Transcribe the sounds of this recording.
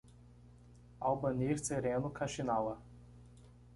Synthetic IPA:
alwbɐniɾseɾẽnʊkʰaʃinawɐ

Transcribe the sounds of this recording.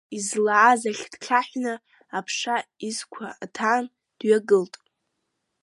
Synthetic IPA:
izlaʕazaχʲd̥ʈ͡ʂʰaħʷᶣna | apʰʂaizkʷʰa̰tʰaːn | d̥ɥaɡɨltʼ

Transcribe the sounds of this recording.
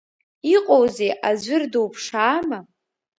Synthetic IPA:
iqʼowzejʔazʷɪrdowpʰʂaːma

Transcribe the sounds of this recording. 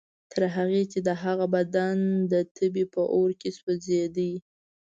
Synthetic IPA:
t̪ʰəɾɦaɣet͡ʃed̪əɦaɣabad̪and̪ət̪ʰəbipəʔoɾkeswəzed̪əi

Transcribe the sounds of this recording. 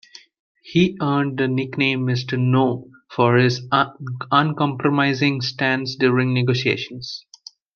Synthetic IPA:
hiːʔəːɳɖ̚d̪ənɪknẽːmːɪsʈənoː | fɔɾhɪz | ʌ̃nkɔ̃mpɾomaɪzɪ̃ŋsʈæ̃nsɖjuːɾɪ̃ŋneɡoːsiḛːʃə̃ns

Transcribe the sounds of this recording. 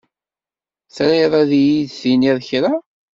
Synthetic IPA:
θɾiðˤaðijiðθiniðˤçɾa

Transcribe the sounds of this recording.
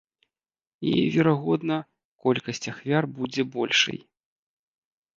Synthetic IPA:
ḭjvʲɛɾaɣɔd̪nɐ | kɔlʲkɐsʲt͡sʲɐxvʲarbud͡zʲɛbɔlʲʂɨ̰j

